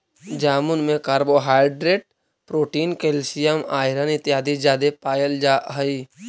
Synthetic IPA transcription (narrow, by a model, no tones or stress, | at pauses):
d͡ʒaːmʊnmẽkaːɾboɦaːɪɖɾeːʈ | pɾoːʈiːnkelsijəmaːɪɾənɪt̪jaːd̪id͡ʒaːd̪epaːjəld͡ʒaːɦəi